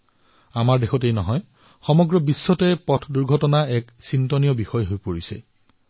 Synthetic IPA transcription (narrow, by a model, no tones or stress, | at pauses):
amaɹdexʰɔtejnɔɦɔj | xɔmɔɡɹɔbisːɔtɛpɔtʰduɹɡʱɔtɔnaɛksintɔnijɔbixɔjɦojpoɹisɛ̰